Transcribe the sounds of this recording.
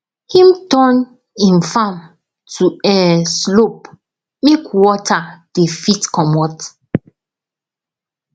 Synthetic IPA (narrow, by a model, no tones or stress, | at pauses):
hĩmtɔn | ĩnfãm | tʰuɛslop̚ | mekwɔtad̥efitkɔmɔt